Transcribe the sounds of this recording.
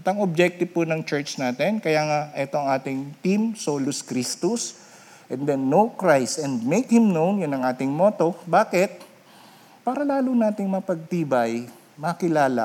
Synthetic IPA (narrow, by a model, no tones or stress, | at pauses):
ʔɐt̪ɐŋob̚d͡ʒɛk̚t̪ɪvpʊnɐŋt͡ʃɛɹt͡ʃnaːt̪ɛnkɐjaːŋaʔɛt̪oɐŋaːt̪ɪŋt̪imsoːlʊskɾist̪ʊs | ʔɛ̃nd̪ɛnːowkɹajst̪ɛnd̪mejkhɪmnownjʊnːɐŋʔaːt̪ɪŋmoːt̪o̞baːkɛt̪̚ | paːɾɐlaːlʊnaːt̪ɪŋmɐpɐɡ̚t̪iːbɐj | mɐkɪlaːla̰